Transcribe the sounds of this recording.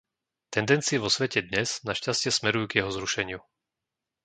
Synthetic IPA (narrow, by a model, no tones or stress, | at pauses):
t̪ɛnd̪ɛnt͡siɛʋɔsʋɛcɛd̪ɲɛz̥naʃcascɪɛsmɛɾujuːɡjɛɦɔzɾuʃɛɲɪu